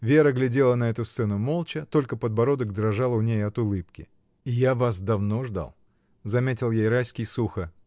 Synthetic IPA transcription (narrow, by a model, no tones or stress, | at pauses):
vʲe̞ɾəɡlʲɪdʲe̞lˠənɐɛt̪ʊst̪sɛnʊmo̞lˠt͡ɕət̪o̞lʲkəpəd̪̚bɐɾo̞d̪ək̚d̪ɾɐʐalˠʊnʲejɐt̪ʊlˠɨpkʲɪ̰ | ɪjavasd̪ɐvno̞ʐd̪a̰lˠ | zɐmʲetʲɪlˠjejɾajsʲkʲɪjsuxə